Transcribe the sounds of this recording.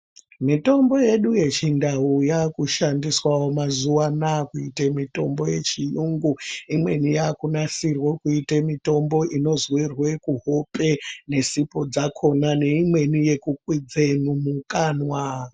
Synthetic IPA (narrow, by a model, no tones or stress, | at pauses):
mito̞mbo̞je̞ɗuje̞t͡ʃindaujakuʃandiswawomazuwanakuitemito̞mbo̞je̞̰t͡ʃijuŋɡuimwe̞nijakunasirwokuitemito̞mbo̞ʔino̞zwirwekuɦo̞pe̞ne̞sipo̞d͡zakʰo̞nane̞imwe̞nije̞kuk̚wid͡zemumukaːnwa